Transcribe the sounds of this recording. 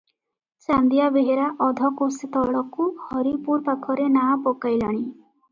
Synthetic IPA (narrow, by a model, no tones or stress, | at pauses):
sand̪ijabeɦeɾaʔɔd̪ʱɔkosit̪ɔɽɔkuhɔɾipuɾpakʰɔɾenapɔkajlaɽ̃i